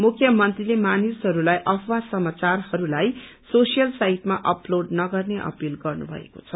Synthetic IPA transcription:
mukʰjʌmʌnt̪rilemanisɦʌɾulajʔʌpʰwasʌmat͡sarhʌɾulajsosijʌlsaɦiʈmaʔʌploɖnʌɡʌrneʔʌ̰pilɡʌrnṵbʱʌ̰ḛko̥̰t͡sʰʌ

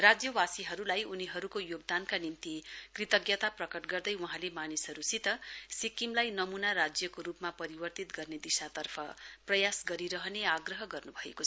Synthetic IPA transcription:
rad͡zjʌwasiɦʌɾulajuniɦʌɾukojoɡ̚d̪ankanimt̪ikrit̪ʌɡjʌt̪aprʌkʌʈɡʌrd̪ʌjuɦãlemanisɦʌɾusit̪ʌsikimlajnʌmunarad͡zjʌkoɾupmapʌɾibʌrt̪it̪ɡʌrned̪isat̪ʌrpʰʌ̰prʌjasɡʌɾiɾʌɦʌneaɡrʌɦʌɡʌrnubʱʌḛkot͡sʰʌ

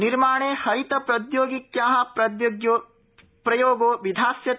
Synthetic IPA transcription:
niɾmaːɳeːhɐɾit̪ɐpɾɐd̪joːɡikjaːɦɐpɾɐd̪jɡjoː | pɾɐjoːɡoːʋid̪ʱaːsjɐ

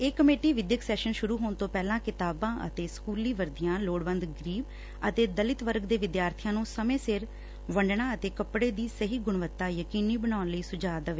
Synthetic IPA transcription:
eːkːəmeːʈiːʋɪd̪jəksɛːʃənʃʊɾuːɦoːɳt̪õːpɛːlãːkɪt̪aːbãːʔə̰t̪eːskuːliːʋəɾd̪ijãːloːɽʋə̃nd̪ɡəɾiːb | ət̪eːd̪əlɪt̪ʋəɾɡd̪eːʋɪd̪jaːɾt̪ʰɪjãːnũːsəmẽːsɪɾ | ʋəɳɖɳãːət̪eːkəpɽeːd̪iːsəɦiːɡʊɳʋət̪ːaːjəkiːniːbəɳaːnləiːsʊd͡ʒaːd̪əʋeː

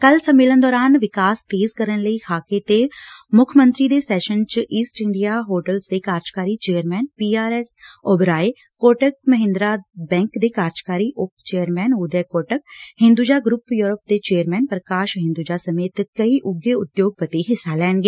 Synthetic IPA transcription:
kəlsəmeːlənd̪ɔːɾaːnʋɪkaːst̪eːzkəɾənləiːkʰaːket̪emʊkʰəmə̃nt̪ɾiːd̪eːsɛːʃənt͡ʃʔiːsʈɪɳɖijaːɦoːʈəlsd̪eːkaːɾd͡ʒkaːɾiːt͡ʃeːəɾmɛːnpiːaːɾɛːsoːbɾaːe | koːʈək̚məɦɪ̃nd̪ɾaːbɛ̃ːŋkd̪eːkaːɾd͡ʒkaːɾiːʔʊpt͡ʃeːəɾmɛːnuːd̪ɛːkoːʈək̚hɪ̃nd̪uːd͡ʒaːɡɾʊpjuːɾəpd̪eːt͡ʃeːəɾmɛːnpɾəkaːʃɦɪ̃nd̪uːd͡ʒaːsəmeːt̪kəiːʔʊɡeʊd̪joːɡ̚pət̪eːɦɪsːaːlɛːɳɡeː

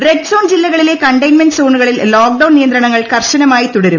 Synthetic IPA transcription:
reksoːnd͡ʑilːɐɣɐɭile̞kɐɳɖɐjnmɐnɖso̞ːɳuɣɐɭilloːk̚ɖɐwnijɐnd̪ɾrɐɳɐŋːɐɭkɐrɕɐnɐmaːjit̪uɽɐɾum

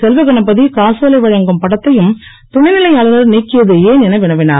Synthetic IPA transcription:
sɛlʋɯɣɐɳɐpːɐðikaːsɐlɐɪʋɐɻɐŋɡɯmpɐɽɐt̪ːɐjɯm | t̪ʊɳɐɪnɪlɐɪjaːlɐnɐɾniːkːɪɾɐðɯeːnɛnɐʋɪɳɐʋɪna̰ː

